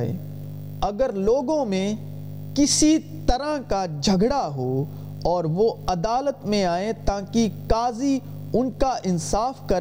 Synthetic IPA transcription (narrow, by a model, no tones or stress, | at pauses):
ḛː | ɐɡəɾloːɡõmẽ | kɪsit̪ɐɾãkad͡ʒʱɐɡɽaɦoː | ɔːɾʋoɐd̪aːlət̪mẽaːẽt̪aːkikaːzi | ʊnkaʔɪnsaːfkɐɾ